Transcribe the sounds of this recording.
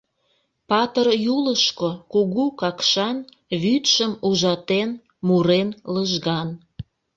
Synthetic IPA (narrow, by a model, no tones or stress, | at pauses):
pɑt̪ərjuləʃkokuɣukɑkʃɑn | βyt̪ʃəmuʒɑt̪en | muɾenləʒɣɑn